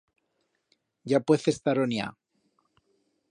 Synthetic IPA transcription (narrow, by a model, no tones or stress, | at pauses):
ɟ͡ʝapweθest̪aɾonia̰